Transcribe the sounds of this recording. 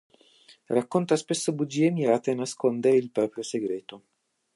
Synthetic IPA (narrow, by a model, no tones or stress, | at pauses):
rakːont̪aspesːobud͡ʒiːemiɾaːt̪eanːaskond̪eɾeilpɾɔːpɾjoseɡɾeːt̪o